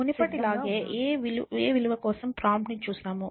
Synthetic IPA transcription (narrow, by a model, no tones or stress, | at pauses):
unipɐʈilaːɡe̞ːʔeːʋileːʋiluʋɐkɔːsɐmpɾaːmpnit͡ʃuːsnaːmu